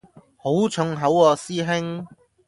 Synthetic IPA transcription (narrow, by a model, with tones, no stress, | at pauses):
ho˨˥wt͡ʃʰɵ˨˧˥ŋɦɐ˨˥wɔː˧siː˥ɦɪ˥ŋ